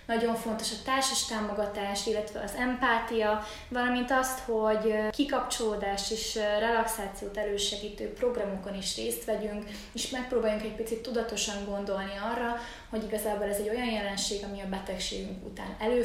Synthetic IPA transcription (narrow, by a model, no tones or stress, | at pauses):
nɒɟo̞ɱfo̞nt̪o̞ʃɒt̪aːrʃaʃt̪aːmo̞ɡɒt̪aːʃt̪ilːɛt̪ʋɛɒzɛmpaːt̪ijɒ | vɒlɒmint̪ɒst̪ho̞ɟkikɒpt͡ʃo̞loːd̪aːʃt̪eːʃrɛlɒksaːt̪sijoːt̪ɛløːʃɛɡiːt̪øːpro̞ɡrɒmoko̞niʃreːst̪ʋɛɟyŋk | eːʃmɛk̚proːbaːjuŋkɛc̚pit̪sit̪ːud̪ɒt̪o̞ʃɒŋɡo̞nd̪o̞lniɒrːɒ | ho̞ɟiɡɒzaːbolɛzɛɟo̞jɒnjɛlɛnʃeːɡɒmiɒbɛt̪ɛkʃḛːɡyŋkṵt̪a̰ːnɛløː